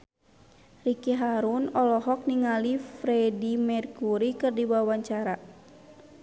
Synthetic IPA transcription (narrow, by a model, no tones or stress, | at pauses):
rikiɦaɾunɔlɔɦɔk̚niŋalifɾɛdimɛrkuɾikɨrdiwawaɲt͡ʃaɾa